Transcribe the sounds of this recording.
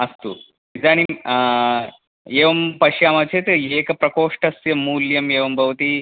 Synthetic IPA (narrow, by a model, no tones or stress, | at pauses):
ɐst̪ṵː | id͡zaɽ̃i | eʋɐmpɐʃjaːmɐt͡ɕʰet̪eeːkɐpɾɐkoːʂʈɐsjɐmuːljɐmeːʋɐmbʱɐʋt̪iː